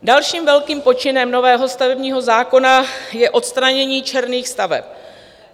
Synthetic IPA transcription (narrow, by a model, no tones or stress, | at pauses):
dalʃiːmvɛlkiːmpo̞t͡ʃɪnɛmno̞vɛːɦo̞st̪avɛbɲiːɦo̞zaːko̞najɛʔo̞t̪st̪ɾaɲɛɲiːt͡ʃɛɾniːxst̪avɛ̰p̚